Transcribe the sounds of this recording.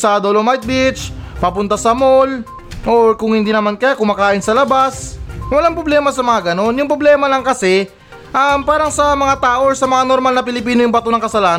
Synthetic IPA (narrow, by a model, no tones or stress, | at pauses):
sɐd̪olomajt̪̚bɪt͡ʃpɐpʊnt̪asɐmo̞l | ʔoɹkʊŋhɪnd̪inɐmankɐjakʊmakaːʔɪnsɐlɐbaswɐlaŋpɾoblɛːmɐsɐmɐŋaɡɐno̞njʊŋpɾoblɛːmɐlɐŋkɐsɛ | ʔɐmpaːɾɐŋsɐmɐŋat̪aːʔosɐmɐŋanoɾmalnɐpɪlɪpiːnojʊŋbɐt̪onɐŋkɐsɐlaːn